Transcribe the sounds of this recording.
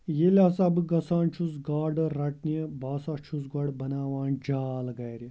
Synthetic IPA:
jelʲaːsabɨɡɐsaːnt͡ʃʰus̬ɡaːɾɖɨɾɐʈniəbaːsat͡ʃʰus̬ɡɐɽbɐnaːʋaːnd͡ʒaːlɡɐjɾʲi

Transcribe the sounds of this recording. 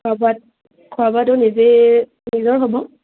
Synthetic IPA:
kʰabat̚ | kʰuabatʊnize | nizɔɹɦobɔ

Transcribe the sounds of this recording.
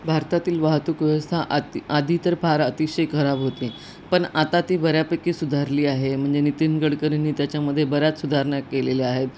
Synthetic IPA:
bʱaɾt̪at̪iːlʋaɦt̪ukʋjəʋəst̪ʰaʔad̪ʱiːt̪əɾpaɾət̪iɕəjkʰəɾabɦot̪e | pəɳat̪at̪iːbəɾjapəkːiːsud̪ʱaɾliːaɦem̤əɳd͡zenit̪inɡəɽkəɾinːiːt̪jat͡ɕjaməd̪ʱːjebəɾjat͡ssud̪ʱaɾɳjakːeleleaɦet̪

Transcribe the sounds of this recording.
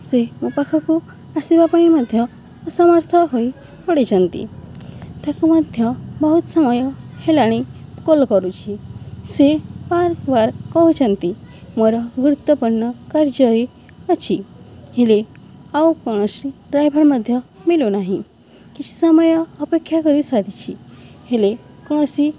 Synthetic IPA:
semũpakʰɔku | asibapãĩmɔd̪ʱjɔː | sɔmɔɾt̪ʰɔɦoi | pɔɽit͡ʃʰɔnt̪ḭ | t̪akumad̪ʱjɔbɔɦut̪ɔsɔmɔjɔhelaɽ̃ikɔlkɔɾut͡ʃʰisepaɾkbaɾkɔɦut͡ʃʰɔnt̪i | moɾɔɡɾut̪wɔpɔɳːɔkaɾd͡ʒəɾi | ɔt͡ʃʰiɦele | aukɔɽ̃ɔsiɾajbʱaɾməd̪ʱjɔmilonaɦĩ | kit͡ʃʰi̥sɔmɔjɔːpekʰːjakɔɾisad̪it͡ʃʰihelekɔɽ̃ɔsi

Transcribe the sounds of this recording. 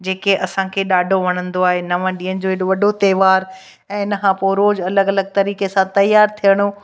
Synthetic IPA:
d͡ʑeːkeʔɐsãkʰeːɗaːɖʱoʋɐɽ̃ə̃nd̪oaːɦenɐʋə̃ɗĩːənɪ̆d͡ʑoːɦɪɗoʋɐɖʱot̪ɛːʋaːɾ | ɛ̃ːɪnəkʰãpoːɾoːd͡ʑɐləɡɐləɡ̚t̪ɐɾiːkesãt̪ɐjːaːɾt̪ʰijəɽ̃o

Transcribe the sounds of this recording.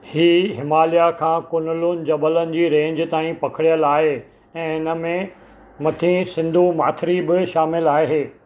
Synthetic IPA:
hiːɦɪmaːlijakʰãːkʊnlʊnɪ̆d͡ʑɐbələnɪ̆d͡ʑiːɾẽːɲd͡ʑt̪aːĩpɐkʰɪɽijəlaːɦe | ɛ̃ːɪnə̆mẽ | mɐt̪ʰĩsɪ̃nd̪ʱumaːt̪ʰɪɾibɪʃaːmɪlaːɦɦeː

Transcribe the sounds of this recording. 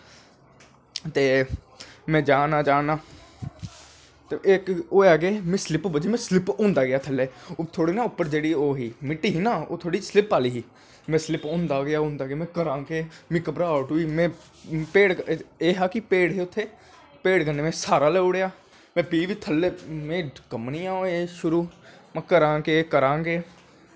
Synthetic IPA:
t̪eː | mɛ̃ːd͡ʒaːnaːd͡ʒaːnaː | t̪eekoːaːɡeːmɛ̃ːslɪpbəd͡ʒeːmɛ̃ːslɪpõːnd̪aːɡɪjaːt̪ʰəlːeːt̪ʰoːɽiːnaːʊpːəɾd͡ʒeːɽiːoːɦiːmɪʈːiːɦiːnaːo̰ːt̪ʰoːɽiːslɪpaːliːɦiː | mɛ̃ːslɪpõːnd̪aːɡɪjaːʊ̃ːnd̪aːɡɪjaːmɛ̃ːkəɾãːkeːmẽːkəpɾaːaːʈuːiːmɛ̃ː | peːɽeːɦaːkɪpeːɽɦeːʊt̪ʰːeː | peːɽkənːeːmɛ̃ːsaːɾaːlɛːʊːɽejaː | mɛ̃ːpiːʋiːt̪ʰəlːeːmẽːkəmniːãːoeːʃʊɾuːmɛ̃ːkəɾãːkeːkəɾãːɡeː

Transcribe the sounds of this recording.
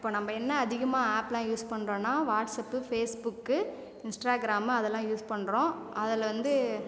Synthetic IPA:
ɪɪpːoːnɐmbɐɛnːɐːðɪɣɐmaːaːpːlãːjuːspɐɳːɾõːnːaːʋaːʈsɐpːɯfeːsbʊkːɯ | ɪnsʈaːɡɪɾaːmɐðɛlːãːjuːspɐɳːɾõːʔɐðɪlʋɐnd̪ɯ

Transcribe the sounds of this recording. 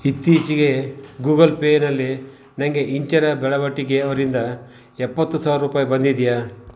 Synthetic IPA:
it̪ːiːt͡ʃiɡe̞ɡuːɡɐlpeːnɐlːi | nɐŋɡe̞ʔiɲt͡ʃɐɾɐbɛɭɐʋɐʈːiɡe̞ɐʋɐɾind̪ɐ | ɛpːɐt̪ːusaːʋɾɐɾuːpaːjɐbɐnd̪id̪ija

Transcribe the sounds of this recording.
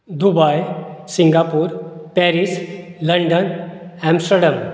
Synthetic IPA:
d̪ubajsiŋɡapuɾpɛɾisləɳɖənɛmsʈəɖam

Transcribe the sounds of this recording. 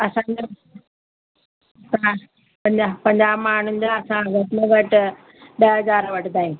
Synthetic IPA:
ɐsãd͡ʑe | ta | pɐ̃ɲd͡ʑapɐ̃ɲd͡ʑaːmaːɳ̤ʊnɪ̆d͡ʑaɐsãʋɐtnəʋɐʈ | ɗɐɦɐzaːɾʋɐʈʰɪd̪aːĩũː

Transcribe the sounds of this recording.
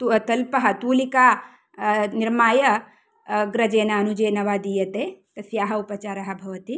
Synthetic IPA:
t̪ut̪ɐlpɐɦɐ̆t̪uːlikaː | niɾmaːjɐ | ɡɾɐd͡ʒeːnaɐnud͡ʒeːnɐʋaːd̪ijɐt̪eːt̪ɐsjaːɦɐupɐt͡ʃaːɾɐɦɐ̆bʱɐʋɐt̪i

